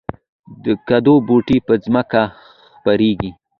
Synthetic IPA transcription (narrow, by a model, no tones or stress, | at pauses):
d̪əkad̪oboʈipəzməka | xpaɾeɡi